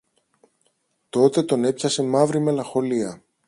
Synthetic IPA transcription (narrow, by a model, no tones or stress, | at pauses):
t̪o̞t̪e̞t̪o̞ne̞pçɐse̞mɐvɾime̞lɐŋxo̞liɐ